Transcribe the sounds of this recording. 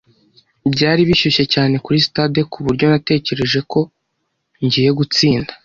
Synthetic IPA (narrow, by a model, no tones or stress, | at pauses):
bɟaːɾiβiʃuʃe̞caːne̞kuɾistadekʰuβuɾɟo̞nate̞ːce̞ɾe̞ʒe̞ko̞ | ɲɟiːje̞ɡut͡siːndḁ